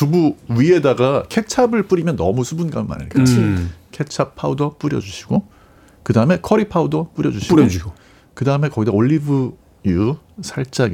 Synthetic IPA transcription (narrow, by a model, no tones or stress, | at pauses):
tubuɥie̞daɡakʰe̞t͡ɕʰabɯɭp͈uɾimjʌnːʌmusʰubunɡaɯma̰nɯ̰ɭk͈ʰat͡ɕʰikʰe̞t͡ɕʰapʰaudʌp͈uɾjʌ̰d͡ʑuɕʰi̥ɡ̥o | kɯdaɯme̞kʰʌɾipʰaudʌp͈uɾjʌd͡ʑuɕʰiɾo | kɯdaɯme̞kʌɡidʌoɭːibɯ | jusʰaɭt͡ɕ͈aŋe